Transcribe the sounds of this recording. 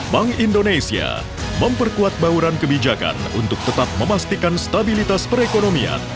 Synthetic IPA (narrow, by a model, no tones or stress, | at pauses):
baŋindonesia̰ | məmpərkuat̪̚bauɾankəbid͡ʒaka̰nṵnt̪ʊk̚t̪ət̪ap̚məmast̪ikanst̪abilit̪aspəɾekonomia̰n